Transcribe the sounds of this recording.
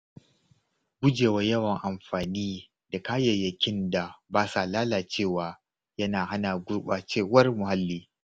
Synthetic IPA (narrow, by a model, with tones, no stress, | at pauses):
ɡʷʊ˦d͡ʒeː˨wa˨jɐ˦wɐ˨ŋʔa˨mɸaː˨niː˦ | da˨kaː˦jɛ˨jɐ˨kʲɪ˦nda˨baː˦sa˨laː˦laː˨t͡ʃeː˦˨waː˨ | jɐ˦naː˨ha˦naː˨ɡʷʊ˦ɽɓaː˨t͡ʃeː˦˨wɐ˦rmʊ˨ha˦lːiː˦